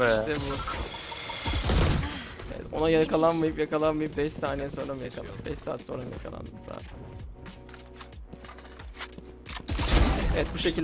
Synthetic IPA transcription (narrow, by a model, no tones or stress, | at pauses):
iʃʰɛbu | ḛvɛ̰t̪o̞̰najakʰalˠanmajɯpjakalˠanmajɯp̚bɛʃsaːnejɛso̞nɾamujakʰalˠa̰bɛ̰ʃsa̰ːt̪so̞nɾanja̰kʰalˠa̰nd̪ɯmz̥a̰ːt̪ʰæn | evɛt̪̚buʃe̞cʰilʲ